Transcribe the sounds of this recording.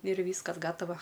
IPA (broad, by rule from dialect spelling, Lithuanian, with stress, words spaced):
ɪr ˈʋʲiːskɐs ˈɡɑːtɐʋɐ